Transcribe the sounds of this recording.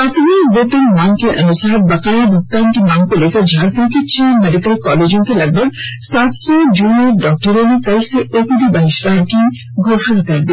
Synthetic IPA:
at̪ʰmikbot̪onmaŋkeʔənusaɦɾ̚bakaibʱukt̪anʈimaŋkolekʰad͡ʑʱaɾpʰuɾket͡ɕʰimeɖikəlkɔled͡ʑoŋkelɐɡ̚bʱaɡsat̪sod͡ʑunieɾɖɔk̚ʈoɾonikɐlseʔokud̪ʱibaɦiʃɾaki | ɡʱoʃonakaɾd̪e

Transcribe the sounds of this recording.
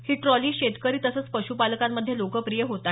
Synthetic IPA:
hiːʈɾɔliːɕet̪kəɾiːt̪əsəːt͡spəɕupaləkamːəd̪ʱːjelokəpɾijəɦot̪a

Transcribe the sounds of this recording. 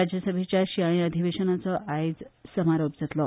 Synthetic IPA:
ad͡ʑjəsəbʱet͡ɕjaɕiãĩəd̪ʱiʋeɕənat͡sɔʔaid͡zsəmaɾop̚d͡zət̪lɔ

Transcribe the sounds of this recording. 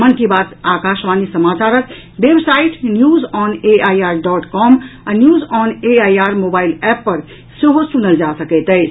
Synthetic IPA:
mənkebat̪akaʃʋanisəmat͡ʃaɾək | bebsaiʈnjuzɔneʔajaɾɖɔʈkɔmanjuzɔneajaɾmobailɛpːəɾ | seɦosunəld͡ʒasəkɛt̪əɪt͡ʃʰ

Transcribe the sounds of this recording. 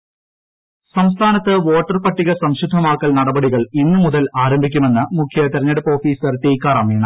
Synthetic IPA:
sɐmst̪ʰaːnɐt̪ːɨʋo̞ːʈːɐrpɐʈːiɣɐsɐmɕud̪ʱːɐmaːkːɐlnɐɽɐbɐɽiɣɐɭinːɨmuðɐlaːɾɐmbʱikʲːume̞nːɨmukʰːjɐt̪eɾɐɲːɐɽupːo̞ːfiːsɐrt̪ejkːaːɾɐmiːɳɐ

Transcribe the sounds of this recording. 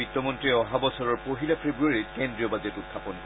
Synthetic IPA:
itːɔmɔntɹiɛɔɦabɔsɔɹɔɹpoɦilapʰɹebɹuaɹitkendɹiɔbazɛtutʰːapɔnk

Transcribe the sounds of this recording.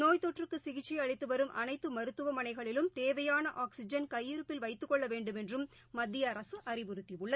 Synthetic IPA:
noːjt̪ɔʈrɯkːɯsɪɣɪt͡ʃːiɐɻɪt̪ːɯʋɐɾɯmʔɐ̰nɐɪt̪ːɯmɐɾɯt̪ːɯʋɐmɐnɐɪɣɐɭɪlɯmt̪eːʋɐjaːnɐʔaːksɪd͡ʒɐnkɐjːɪɾɯpːɪlʋɐɪt̪ːɯkːɔɭːɐʋeːɳɖɯmɛndrɯmː | ɐd̪ːɪjɐːɾɐsɯʔɐrɪʋʊɾɯt̪ːiʋɯɭːɐ

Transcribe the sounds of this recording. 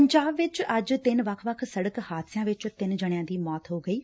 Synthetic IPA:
ɲd͡ʑaːbʋɪt͡ɕɐd͡ʑt̪ɪnʋɐkʰʋɐkʰsɐɽəkhaːd̪sijãʋɪt͡ɕt̪ɪnɪ̆d͡ʑɐɽ̃ijãːnd̪iːmɔːt̪ɦoɡɐiː

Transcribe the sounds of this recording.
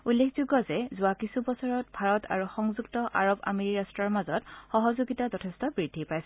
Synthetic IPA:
ulːekʰzuɡɔzɛzʊakisʰubɔsɔɹɔt̚bʱaɹɔtʰa̰ɹuxɔŋzuktɔʔa̰ɹoba̰meɹiɹastɹaɹmazɔtxɔɦɔzuɡitazɔtʰɛstɔbɹidʱipajsɛ

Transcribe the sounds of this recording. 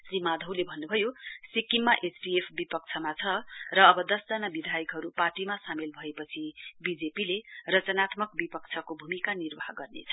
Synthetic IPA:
simad̪ʱʌwlebʱʌnːubʱʌjosikimːaʔesʈiepʰbipʌk̚t͡sʰʌmat͡sʰʌrʌːbʌd̪ʌsd͡zʌnabid̪ʱajʌkɦʌɾuparʈimasamilbʱʌepʌt͡sʰibid͡zepilerʌt͡sʌnat̪mʌkbipʌk̚t͡sʰʌkobʱumikanirbʌɦɡʌrnḛt͡sʰʌ

